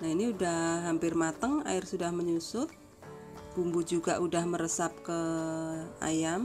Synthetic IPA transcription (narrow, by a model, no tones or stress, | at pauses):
nainiudahɦampɪrmat̪əŋa̰ɪrsudahməɲusʊt̪̚ | b̥umbud͡ʒuɡaʔudahməɾəsap̚kə | a̰jam